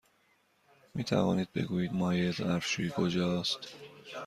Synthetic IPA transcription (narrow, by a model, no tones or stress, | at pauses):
miːt̪ʰæ̰vɒ̰ːniːd̪̚be̞̰ɡuːjiːd̪mɒːjezæɾfʃukʰod͡ʒɒːst̪